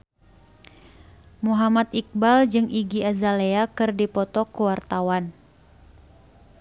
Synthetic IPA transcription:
muɦamat̪ik̚bald͡ʒɨŋʔiɡiazaleakɨrdipɔt̪ɔkuwart̪awan

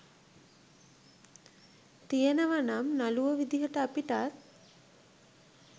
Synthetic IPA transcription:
t̪ijənəʋanamnaluʋəʋid̪iɦəʈəapiʈat̪

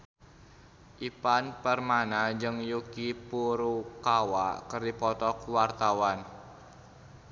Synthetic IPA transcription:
ʔipanpərmanad͡ʒɨŋjukipuɾukawakərdipɔt̪ɔkuwart̪awan

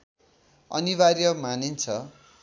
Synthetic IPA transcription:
ʌ̰niβaɾjʌmanint͡sʰʌ

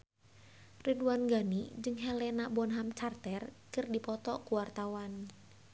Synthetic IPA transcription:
riduanɡanid͡ʒɨŋɦɛlɛnabɔnɦamt͡ʃart̪ɛrkɨrdipɔt̪ɔkuwart̪awan

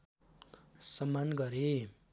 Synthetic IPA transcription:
sʌmanɡʌɾe

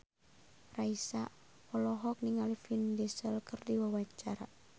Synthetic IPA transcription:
raisa̰ | ɔlɔɦɔk̚niŋalifindisəlkɨrdiwawaɲt͡ʃaɾa

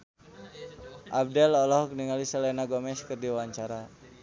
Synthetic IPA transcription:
ʔab̚dɛlɔlɔhɔk̚niŋalisalanaɡɔmɛskərdiwaɲt͡ʃaɾa

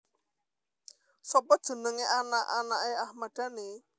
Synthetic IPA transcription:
sɔpɔd̥ʒ̥ə̤nəŋeʔanaʔanaʔeahmad̥ane

